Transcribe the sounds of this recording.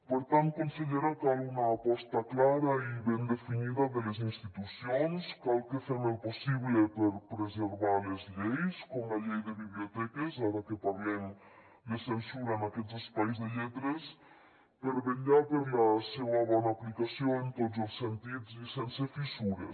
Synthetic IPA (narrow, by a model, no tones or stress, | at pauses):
poɾt̪ant̪̚konsiðeɾakalunaːpɔst̪aklaɾaiβɛnd̪efiniðaðelezinst̪it̪usjonskalkefemelposiβlepeɾpɾezeɾβaɾlezʎejskomaʎejðeβiβliot̪ɛkesaɾakepaɾleŋ | d̪esensuɾaenakɛt̪zespajzðeʎɛt̪ɾes | peɾβeʎapeɾlasewaβɔnaːplikasjoent̪ot̪zelsːent̪id̪zisensefisuɾḛ